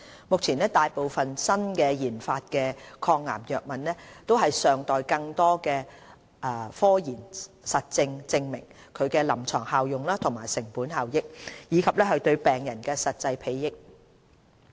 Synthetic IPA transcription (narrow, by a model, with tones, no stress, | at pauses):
mʊ˨k̚t͡sʰiː˨˩nɛː˥t̪aː˨jpo˨wfɐ˨nsɐ˥nkɛː˧jiː˨˩nfaː˧t̚kɛː˧kʰɔː˧ŋːa̰ː˨˩mjœː˨k̚mɐ˨nlɛː˥t̪o˥wɦɐ˨jsœː˨ŋt̪ɔː˨jkɐ˧ŋt̪ɔː˥kɛː˧ | ʔɛː˨˧fɔː˥jiː˨˩n | sɐ˨t̚t͡sɪ˧ŋt͡sɪ˧ŋmɪ˨˩ŋ | kʰɵ˨˧ɥkɛː˧lɐ˨˩mt͡ʃʰɔː˨˩ŋhaː˨˧wjʊ˨ŋlaː˥t̪ʰʊ˨˩ŋmaː˨jsɪ˨˩ŋpuː˨˥nhaː˨wjɪ˥k̚jiː˨˧kʰɐ˨p̚lɛː˥hɵ˨˧ɥt̪ɵ˧ɥpɛː˨ŋjɐ˨˩nkɛː˧sɐ˨t̚t͡sɐ˧jpʰe˨˧jːɪ˥k̚